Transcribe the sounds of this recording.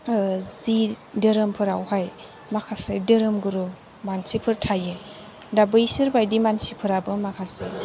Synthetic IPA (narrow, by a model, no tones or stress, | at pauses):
zi | dəɾɯmpʰɯɾawhaj | makʰasajdɯɾɯmɡɯɾu | mansipʰɯɾtʰajɯ | dabɯjsɯɾbajdimansipʰɯɾabɯmakʰasaj